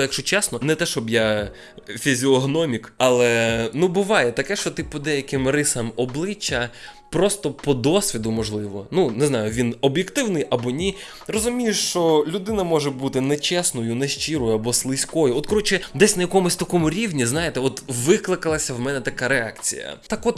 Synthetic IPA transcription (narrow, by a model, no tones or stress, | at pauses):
jɐkʃt͡ʃɔt͡ʃɛsnɔnɛt̪ɛʃɔbja | fʲizʲiɔɦnɔmʲikɐlˠɛnubʊʋɑjɛt̪ɐkɛʃt͡ʃɔt̪ɪpɔd̪ɛjɐkɪmrɪsɐmɔblˠɪt͡ʃːɐ | pɾɔst̪ɔpɔd̪ɔsʲʋʲid̪ʊmɔʒlˠɪʋɔ̰nunɪznajʊʋʲinɔbjekt̪ɪwnɪjʔɐbɔnʲi | rɔzʊmʲijʊʃt͡ʃɔlʲʊd̪ɪnɐmɔʒɛbut̪ɪnɛt͡ʃɛsnɔjʊnɛʃt͡ʃiɾɔjʊɐbɔslˠɪsʲkɔjʊɔt̪̚kɔɾɔt͡ʃɪd̪ɛsʲnɐjɐkɔmʊsʲt̪ɐkɔmʊɾʲiwnʲiznajet̪ɛɔt̪ʋɪklˠɪkɐlˠɐsʲɐwmɛnɛt̪ɐkaɾeakt͡sʲḭjɐ̰t̪akɔt̪